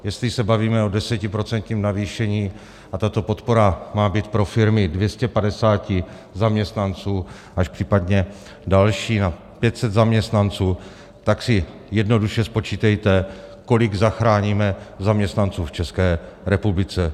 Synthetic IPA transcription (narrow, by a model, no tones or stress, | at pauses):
jɛst̪lɪsɛbaviːmɛo̞dɛsɛcɪpɾo̞t͡sɛnt̪ɲiːmnaviːʃɛɲiː | ʔat̪at̪o̞po̞t̪po̞ɾamaːbiːt̪pɾo̞fɪɾmɪdvjɛscɛpadɛsaːcɪ | zamɲɛst̪nant͡suː | ʔaʃpr̥iːpadɲɛ | dalʃiːna | pjɛt̪sɛd̪zamɲɛst̪nant͡suː | t̪aksɪ | jɛdno̞duʃɛspo̞t͡ʃiːt̪ɛjt̪ɛko̞lɪɡzaxɾaːɲiːmɛzamɲɛst̪nant͡suːft͡ʃɛskɛːɾɛpublɪt͡sɛ